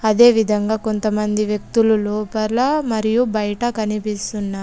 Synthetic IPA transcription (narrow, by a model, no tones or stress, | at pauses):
ɐd̪e̞ːʋid̪ʱɐŋɡaːko̞nt̪ɐmɐnd̪iʋjɐk̚t̪ululoːpɐlɐmɐɾijubɐjɐʈɐkɐnipist̪unːaː